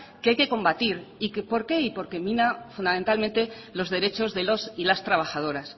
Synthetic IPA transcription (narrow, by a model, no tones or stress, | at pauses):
keajke̞ko̞mbat̪iɾikepo̞ɾke̞ipo̞ɾke̞mĩnafund̪amẽnt̪almẽnt̪e̞ | lo̞zðe̞ɾe̞t͡ʃo̞zðe̞lo̞silast̪ɾaβaxað̞o̞ɾas